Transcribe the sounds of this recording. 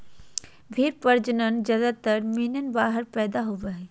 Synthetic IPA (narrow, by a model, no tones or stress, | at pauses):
bʱiɾpəɾd͡ʒənənd͡ʒɐd̪at̪əɾminənbaːɦəɾpɛːd̪aɦoʋəɦɛ